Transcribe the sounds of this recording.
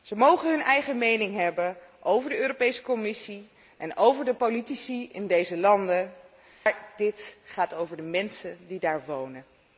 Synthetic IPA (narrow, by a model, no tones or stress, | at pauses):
z̥əmowχənɦɵnɛjχəmejnɪŋɦɛbənʔowvəɹdəøːropejsə̥kɔmɪsi | ʔɛnowvəɹdəpolitisiɪndejzəlɑndə | ɹdɪtχaːtowvəɹdəmɛnsəndidaːɹʋownə